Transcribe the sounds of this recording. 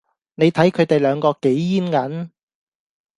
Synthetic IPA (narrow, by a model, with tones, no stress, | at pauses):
ne˨˧jt̪ʰɐ˨˥jkʰɵ˨˧ɥt̪e˨jlœː˨˧ŋkɔː˧ke˨˥jjiː˥nkɐ˨˥n